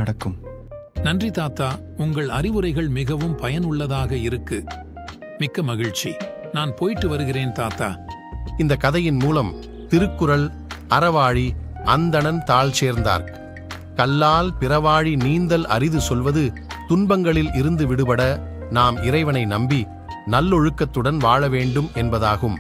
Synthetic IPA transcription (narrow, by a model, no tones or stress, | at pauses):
ɐɽɐkːɯm | nɐndrit̪aːt̪aː | ʊŋɡɐɭɐɾɪʋɯɾɐɪɣɐɭmɪɣɐʋɯmpɐjɐnʊɭːɐðaːɣɐɪɾɯkːɯ | mɪkːɐmɐɣɪɻt͡ʃi | naːnpoːjɪʈːɯʋɐɾɯɣɪreːnt̪aːt̪a̰ː | ɪnd̪ɐkɐðɐjɪnmuːlɐm | t̪ɪɾɯkːɯɾɐɭ | ɐɾɐʋaːɻiɐnd̪ɐɳɐnt̪aːɭt͡ʃeːɾnd̪a̰ːɾ | kɐlːaːlpɪɾɐʋaːɻiniːnd̪ɐlɐ̰ɾɪðɯsɔlʋɐðɯ | t̪ʊnbɐŋɡɐɭɪlɪɾɯnd̪ɯʋɪɽɯpɐɽɐnaːmɪɾɐɪʋɐnɐɪnɐmbi | nɐlːɔɻɯkːɐt̪ːɯɽɐnʋaːɻɐʋeːɳɖɯmɛnbɐðaːɣɯm